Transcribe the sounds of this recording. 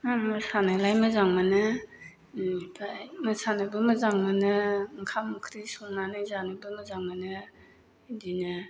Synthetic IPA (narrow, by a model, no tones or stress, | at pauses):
amasanɯlajmɯzaŋmanɯ | bʰajmɯsanɯbɯmɯzaŋmanɯŋkʰamːukʰɾisumnanɯzanɯbɯmɯzaŋmanɯ | dinɯ